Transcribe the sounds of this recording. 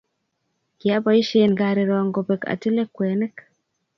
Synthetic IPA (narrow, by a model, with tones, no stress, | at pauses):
kja˦pɔ˦i˦ʃe˦nɡaɾe˨ɾɔ˨ŋɡopeka̰˨ti˦le˦kwe˨nɛ˦k